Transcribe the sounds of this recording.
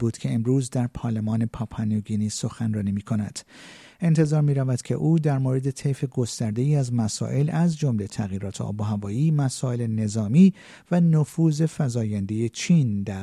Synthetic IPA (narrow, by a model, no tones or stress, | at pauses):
buːd̪̥cʲʰe̞ːmɾuːzd̪æɾpʰɒːɾlemɒːne̞pʰɒːpʰɑnoɡiniːso̞xænrɒːniːmiːkʰo̞næd̪̥ | e̞nt̪ʰe̞zɒːɾmiːɾævæd̪̥cʲʰe̞̰ʔuːd̪æɾmoɾe̞d̪e̞t̪ʰe̞jfe̞ɡo̞st̪æɾd̪e̞iːæzmæsɒ̰ːʔe̞læzd͡ʒo̞mle̞t̪ʰæɣjiːɾɒːt̪ʰeʔɒ̰ːboɦævɒːiːmæsɒːe̞le̞ne̞zɒːmiː | vænofuːze̞fæzɒːjænd̪e̞je̞t͡ʃʰiːnd̪æɾ